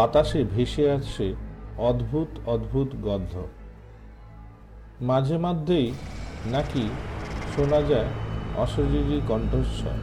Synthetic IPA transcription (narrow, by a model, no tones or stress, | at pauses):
at̪aʃebʱeʃeat͡ɕʰeɔd̪bʱut̪ɔd̪bʱut̪ɡɔd̪ʱːo | mad͡ʑʱemad̪ʱːejnakiʃonad͡ʑaeɔ̰ʃoɾiɾikɔɳʈoʃɔ̰